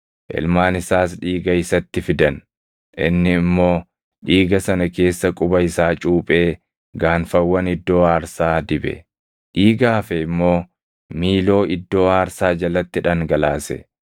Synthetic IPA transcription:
ʔɪ̰lmaːnɪsaːs̬ᶑiːɡɐɪsɐt̪ːɪfɪd̪ɐn | ʔɪ̰nːɪːmːo̞ː | ᶑiːɡɐsɐnɐke̞ːsːɐkʼʊbɐɪsaːt͡ʃʼuːpʼe̞ː | ɡaːnfɐwːɐnɪd̪ːo̞ːaːɾsaːd̪ɪbɛ̰ | ᶑiːɡaːfɛɪmːo̞ː | miːlo̞ːɪd̪ːo̞ːaːɾsaːd͡ʒɐlːɐt̪ːɪᶑɐŋɡɐlaːsɛ̰

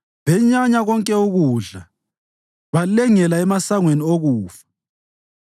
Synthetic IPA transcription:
βɛɲaɲaɣɔŋkʼɛuɣuːɮa | βalɛŋɛlaɛmasaŋwenioɣuːfḁ

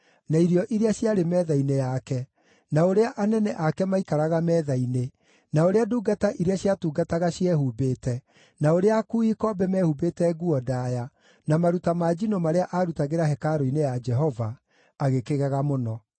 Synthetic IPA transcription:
naiɾiɔʔiɾeaɕjaɾemɛðainejakɛ | naoɾeaʔanɛnɛʔakɛmaikaɾaɣamɛːðaine | naoɾeaduːɡataʔiɾeaɕjatuːɡataɣaɕjɛhuːbeːtɛ | naoɾeakuikɔbɛmɛhubetɛɣuɔdaːja | namaɾutamad͡ʒinomaɾeaʔaɾutaɣeɾaɦɛkaɾoinejad͡ʒɛɦɔvaː | ɣekeɣaɣamonɔ

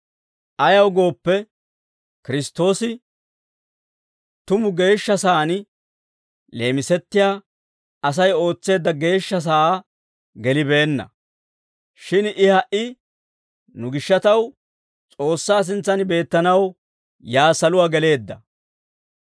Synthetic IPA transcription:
ʔɐjɐwɡo̞ːpːɛ | kɪɾɪst̪ːo̞ːsɪ | t̪ʊmʊɡe̞ːʃːɐsaːn | le̞ːmɪsɛt̪ːɪjaː | ɐsɐjo̞ːt͡sːe̞ːd̪ːɐɡe̞ːʃːɐs̬aː | ɡɛlɪbe̞ːnːɐ̰ | ʃɪnɪhɐʔɪ | nʊɡɪʃːɐt̪ɐw | t͡sʼo̞ːsːaːs̬ɪnt͡sːɐnbe̞ːt̪ːɐnɐw | jaːsɐlʊwaːɡɛle̞ːd̪ːɐ

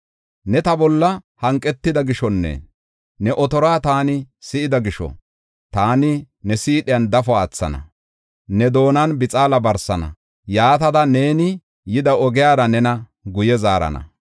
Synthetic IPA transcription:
nɛt̪ɐbɔlːɐhɐŋkʼːɛt̪ːɪd̪ɐɡɪʃɔnːḛ | nɛʔɔt̪ɔɾaːt̪aːnɪsɪʔɪd̪ɐɡɪʃɔ̰ | t̪aːnɪ | nɛsiːɗɪjɐnd̪ɐfɔaːt͡sːɐ̰nɐ̰ | nɛd̪o̞ːnɐnbɪt͡sʼaːlɐbɐɾsɐnɐ̰ | jaːt̪ɐd̪ɐne̞ːnɪ | jɪd̪ɐɔɡɪjaːɾɐnɛnɐ | ɡʊjɛzaːɾɐ̰nɐ̰

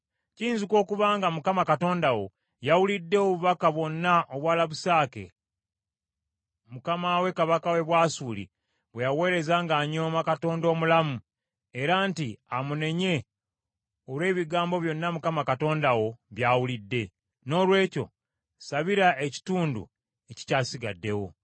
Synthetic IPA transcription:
ciːnzikwo̞ːkuβaːŋɡamukamakato̞ːndawo̞̰ | jawulidːe̞oβuβakaβwo̞nːaʔoβwaːlaβusaːke̞̰ | mukamawe̞kaβakawe̞βwaːsuːlḭ | βwe̞jawe̞ːɾe̞zaŋɡaːɲo̞ːmakato̞ːndo̞ːmulamu | e̞ɾaːntiamune̞ɲe̞ | olwe̞ːβiɡaːmbo̞βjo̞nːamukamakato̞ːndawo̞βjaːwulidːe̞ | no̞ːlwe̞ːco̞̰ | saβiɾaeci̥tuːndṵ | e̞ci̥caːsiɡadːe̞wo̞̰

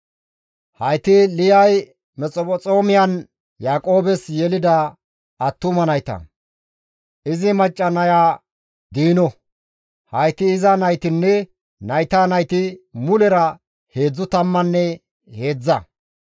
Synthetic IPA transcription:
hɐjt̪ɪlɪjɐj | mɛt͡sʼɔpɔt͡sʼo̞ːmɪjɐn | jaːkʼo̞ːbɛsjɛlɪd̪ɐ | ɐt̪ːʊmɐnɐjt̪ɐ̰ | ʔɪzɪmɐt͡ʃʼːɐnɐjaː | d̪iːnɔ | hɐjt̪ɪːzɐnɐjt̪ɪnːɛ | nɐjt̪aːnɐjt̪ɪmʊlɛɾɐ | he̞ːd͡zːʊt̪ɐmːɐnːɛ | he̞ːd͡zːɐ

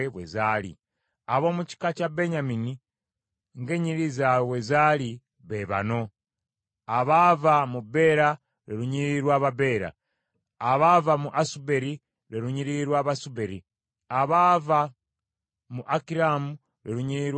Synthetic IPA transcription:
eβwḛzaːlḭ | aβo̞ːmuci̥kacabe̞ɲamini | ŋɡe̞ɲiɾizawezaːli | βeβa̰no̞ | aβavamube̞ɾa | ɾeɾuɲiɾiɾwaːβabe̞ːɾa̰ː | βavamuʔasube̞ɾi | ɾeɾuɲiɾiɾwaːβasubeɾi | aβava | muʔakiɾamu | ɾeɾuɲiɾiɾw

